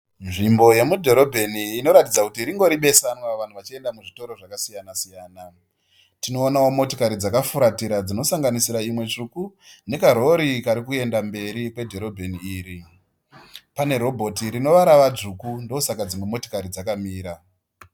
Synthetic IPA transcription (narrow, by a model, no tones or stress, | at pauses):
nʐimbo̞je̞mudʱo̞ɾo̞bʱeniːno̞ɾatid͡zakutiɾiŋɡo̞ɾiɓe̞sanwaʋan̤uʋat͡ʃie̞ndamuʐito̞ɾo̞ʐakasijanasijaːna | tino̞ːnao̞mo̞tokaɾid͡zakafuɾatiɾad͡zino̞saŋɡanisiɾaimwe̞t͡ʂukune̞kaɾo̞ɾikaɾikue̞ndambe̞ɾikwe̞dʱo̞ɾo̞bʱe̞niːɾi | pane̞ɾo̞bʱo̞tiɾino̞ʋaɾaʋad͡zukundo̞usakad͡zimwe̞mo̞to̥kaɾid͡zakamiːɾa